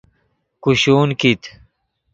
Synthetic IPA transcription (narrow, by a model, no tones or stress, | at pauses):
kuɕuːnkit̪